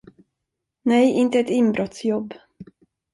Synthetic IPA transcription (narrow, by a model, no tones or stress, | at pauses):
nɛjɪnt̪əɛt̪ɪmbɾʔɔt̪sjɔbː